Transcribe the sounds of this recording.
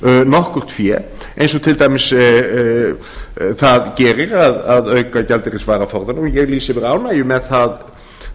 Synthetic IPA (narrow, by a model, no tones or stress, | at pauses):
nɔhkʏr̥t̪fjɛ | ḛjnsɔt̪ʰɪlt̪aːjmɪs | θaðcɛːɾɪɾaðaðœɥkacalt̪ɪɾɪnsvaːɾafɔɾðanɔɣjɛɣliːsɪvɪɾaːwnaːjʏmɛðθað